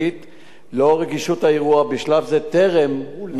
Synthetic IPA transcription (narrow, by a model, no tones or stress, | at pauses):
it̪ | lo̞ʁeɡiʃutaeʁuabiʃlavzet̪e̞ʁemn